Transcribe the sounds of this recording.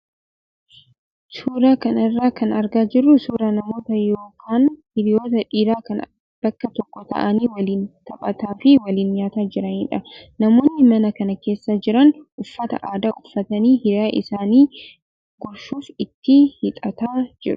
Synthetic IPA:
suːɾaːkɐnɐrːaːkɐnɐɾɡaːd͡ʒɪrːʊsuːɾɐnɐmo̞ːt̪ɐjo̞ːkʰaːnhɪɾɪjo̞ːt̪ɐᶑiːɾaːkɐn | b̥ɐkːɐt̪ɔkːɔt̪ɐ̰ʔɐniːwɐliːnt̪ɐpʼɐt̪aːfɪwɐliːnjaːt̪aːd͡ʒɪɾɐniːᶑɐnɐmo̞ːnːɪmɐnɐkɐnɐke̞ːsːad͡ʒɪɾɐnʔʊfːɐt̪ɐ̰ʔaːd̪aːʔʊfːɐt̪ɐniːhɪɾaːʔɪ̰saːniː | ɡ̥ɔɾʃuːfɪt̪ːɪhɪt̪ʼɐt̪aːd͡ʒɪɾʊ̥

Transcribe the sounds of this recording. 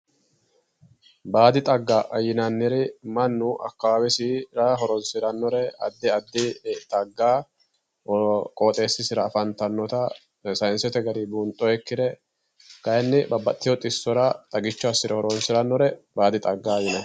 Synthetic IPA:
baːd̪ɪt̪ʼɐɡːaʔɐjɪnɐnːɛɾɪmɐnːʊʔɐ̰kːɐawɛsiɾɐɦɔɾɔnsɪɾɐnːɔɾɛɐ̰d̪ːɪɐd̪ːɪt̪ʼɐɡːaː | kʼoːt̪ʼe̞ːsːɪsɪɾɐːfɐnt̪ɐnːɔt̪ɐ | sɐjnsɛt̪ɛɡɐd̪ibuːnt̪ʼːɔɛkːɪd̪ɛ | kɐjnːɪbɐbːɐt̪ʼːɪjɔt̪ʼɪsːɔɾɐt̪ʼɐɡɪt͡ʃːɔɐsːɪɾɛhɔɾɔnsɪɾɐnːɔɾɛbaːd̪ɪt̪ʼɐɡːaːjɪnɛ

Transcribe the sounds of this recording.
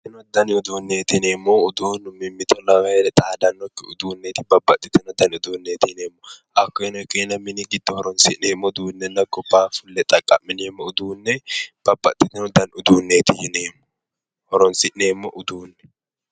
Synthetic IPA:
ɪnɔd̪ːɐnɪʊd̪uːnːeːt̪ɪneːmːoʊd̪uːnmɪmːɪt̪ɔlɐwɐɾɛt̪ʼaːd̪ɐnːɔkːɪʊ̰d̪uːnːeːt̪ɪbɐbːɐt̪ʼːɪt̪ɛnɔd̪ɐnʊd̪uːnːeːt̪ɪneːmːɔʔɐkːɔɪnɔkːenɐmːɪnɪɡɪd̪̥ːɔhɔɾɔnsɪʔneːmːɔd̪uːnːɛnːɐɡɔpːaːfʊlːɛt̪ʼɐkʼːɐmːɪneːmːɔʊd̪uːnːɛb̥ɐbːɐt̪ʼːɪt̪ɪnɔd̪ɐnʊd̪uːnːeːt̪ɪhɪneːmːɔ̥ | hɔɾɔnsɪʔneːmːɔʔʊd̪uːnːɛ̥

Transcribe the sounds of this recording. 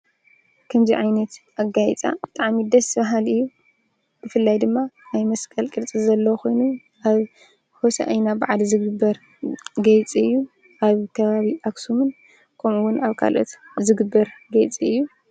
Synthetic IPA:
kʰɐmziʕajnɐt̪ | aɡajit͡sʼa̰b̥ɨt̪ʼaʕmid̪ɐsβaɦalɨjːu | b̥ɨfɨlːajd̪ɨmːanajmɐskʼɐlkʼɨlt͡sʼizɐlːɐwkʰo̞jnu | ʔaβ | hosɐ̰ʔɐjnabɨʕalzɨɡɨbːɐɾ | ɡɐjt͡sʼiɨjːu | ʔaβkʰɐβaβiʔaksumɨn | kʰɐmuwʊnaβkʰa̰lʔo̞̰t̪zɨɡɨbːɐɾɡɐjt͡sʼiɨjːu

